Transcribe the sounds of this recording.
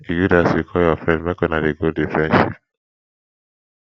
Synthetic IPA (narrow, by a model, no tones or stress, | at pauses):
ijudasikʰɔjɔfɾɛ̃ndmɛkɔnadeɡodifɛ̃nʃḭp